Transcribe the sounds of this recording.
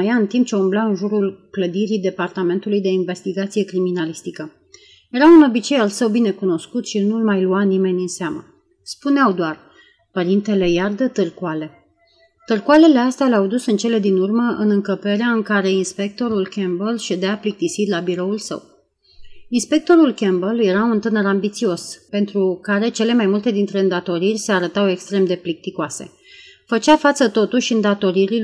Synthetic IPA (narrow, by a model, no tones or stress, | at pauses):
əjaɨnt̪imp̚t͡ʃe̞umblaɨnʒuɾulkləd̪iɾid̪e̞part̪ame̞nt̪ulujd̪e̞inve̞st̪iɡat̪sije̞kɾiminalist̪ikə | je̞ɾawɨno̞bit͡ʃe̞jalsəwbine̞kuno̞skut̪ʃinulmajluanime̞nʲɨnseamə̰ | spuneawd̪oar | pəɾint̪e̞le̞jard̪ət̪ɨrkuale̞ | t̪ɨrkuale̞le̞ast̪ealeawd̪usɨnt͡ʃe̞le̞d̪inurməʔɨnɨŋkəpe̞ɾeaɨŋkaɾe̞inspe̞k̚t̪o̞ɾulkʲembəlʃed̪eaplik̚t̪isit̪ʲlabiɾo̞ulsə̰w | inspe̞k̚t̪o̞ɾulkʲembəlje̞ɾaunt̪ɨnəɾambit̪sio̞spe̞nt̪ɾukaɾe̞t͡ʃe̞le̞majmult̪e̞d̪int̪ɾe̞ɨnd̪at̪o̞ɾirʲseaɾət̪awe̞kst̪ɾe̞md̪e̞plik̚t̪ikoase̞̰ | fət͡ʃafat̪sət̪o̞t̪uʃɨnd̪at̪o̞ɾiɾil